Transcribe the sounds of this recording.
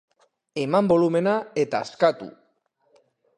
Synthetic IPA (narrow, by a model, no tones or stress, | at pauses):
e̞mambo̞lume̞nae̞t̪aːskat̪ṵ